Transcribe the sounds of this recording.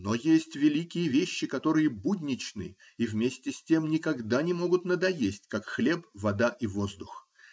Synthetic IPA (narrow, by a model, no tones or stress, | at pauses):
nojesʲtʲvʲɪlʲikʲɪjəvʲeɕːɪkɐt̪o̞ɾɨjəbudʲnʲɪt͡ɕnɨ̰ | ivmʲesʲtʲɪsʲtʲe̞mnʲɪkɐɡd̪anʲɪmo̞ɡʊt̪nəd̪ɐjesʲtʲkakxlʲe̞pvɐd̪aʔivo̞zd̪ʊx